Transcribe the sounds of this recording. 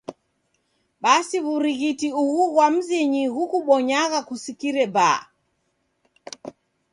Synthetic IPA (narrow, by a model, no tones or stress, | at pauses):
ɓasiβuɾiɣitiuɣuɣwam̩ziɲiɣukuɓɔɲaɣakusikiɾɛba̰